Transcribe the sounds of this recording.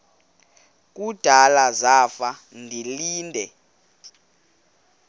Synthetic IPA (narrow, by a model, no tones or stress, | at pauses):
k̬ʼud̥ʱalazafandʱiliːndʱɛ